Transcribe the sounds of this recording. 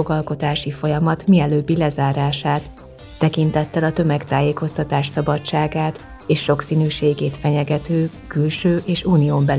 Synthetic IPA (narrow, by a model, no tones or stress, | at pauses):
oɡɒlko̞t̪aːʃifo̞jɒmɒt̪miɛløːbːilɛzaːɾaːʃaːt̪ː | ɛkint̪ɛt̪ːɛlɒt̪ø̞mɛkt̪aːjeːko̞st̪ɒt̪aːʃsɒbɒt͡ʃaːɡaːt̪ | eːʃːo̞ksiːnyːʃeːɡeːt̪fɛɲɛɡɛt̪øːkylʃøːʔeːʃuːnijoːmbɛl